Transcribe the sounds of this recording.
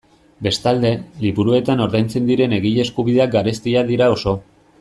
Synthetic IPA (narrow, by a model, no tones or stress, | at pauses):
be̞st̪ald̪e̞liβuɾue̞t̪ano̞ɾðajnt͡se̞nd̪iɾe̞ne̞ɣiʎe̞skuβ̞iðe̞ak̚ɡaɾe̞st̪iaðiɾao̞so̞